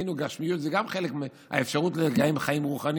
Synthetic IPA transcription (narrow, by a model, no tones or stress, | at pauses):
nuɡaʃmijut̪zeɡamχe̞lekme | a̰efʃaʁut̪leɡaimχaimʁuχani